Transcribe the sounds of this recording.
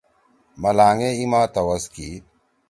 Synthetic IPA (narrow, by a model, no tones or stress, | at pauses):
mɐlaːŋeimaːt̪ɐwɐski